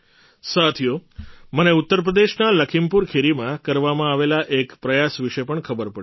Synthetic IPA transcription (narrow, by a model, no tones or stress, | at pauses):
sat̪ʰijoməneut̪ːəɾp̬ɾəd̪eʃnaləkʰimpuɾkʰeɾimãkəɾʋamãaʋelaʔekpɾəjasʋiʃepəɳkʰəbəɾpə